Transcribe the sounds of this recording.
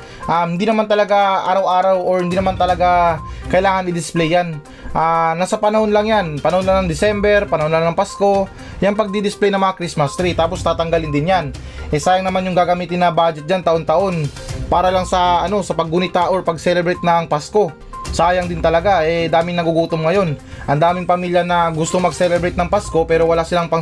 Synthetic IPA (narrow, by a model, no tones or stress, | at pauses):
ʔamhɪnd̪iːnɐmant̪ɐlɐɡaʔaːɾɐwʔaːɾɐwoɹhɪnd̪iːnɐmant̪ɐlɐɡakɐʔɪlaːŋɐnɪd̪ɪsplɛjːan | ʔanasɐpɐnɐho̞nlɐŋjanpɐnɐhnlɐŋnɐŋd̪ɪsɛmbɛɾpɐnɐho̞nlaŋnɐŋpasko̞ | jaŋpɐɡ̚d̪id̪ɪsplɛjnɐŋmɐŋakɾismɐst̪ɾit̪aːpost̪aːt̪ɐŋɡɐlɪnd̪ɪnjan | ʔɛsaːjɐŋnɐmanjʊŋɡaːɡɐmiːt̪ɪnːɐbaːd͡ʒɛt̪̚d͡ʒant̪ɐʔo̞nt̪ɐʔo̞npaːɾɐlɐŋsɐʔɐno̞sɐpɐɡ̚ːʊnɪt̪aʔoɹpɐɡsɛlɛbɾɛjt̪̚nɐŋpasko̞ | saːjɐŋd̪ɪnt̪ɐlɐɡaʔɛd̪aːmɪŋnɐɡuɡuːt̪omŋɐjo̞nʔɐnd̪aːmɪŋpɐmiːljɐnɐɡʊst̪oŋmɐɡsɛlɛbɾɛjt̪̚nɐŋpasko̞pɛːɾo̞wɐlaːsɪlaŋpɐ